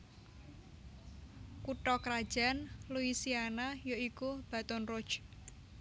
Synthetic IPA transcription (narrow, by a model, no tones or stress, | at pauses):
kuʈɔkɾad̥ʒ̥a̤nluisianajoikub̥a̤t̪ʊnro̥d͡ʒ̥